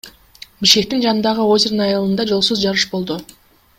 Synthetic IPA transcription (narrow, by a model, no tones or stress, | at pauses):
biʃke̞k̚t̪ind͡ʒɑnɯnd̪ɑʁɯozʲeɾɯnɑjɑlˠɯnd̪ɑd͡ʒo̞lˠsuzd͡ʒɑɾɯʃbo̞lˠd̪u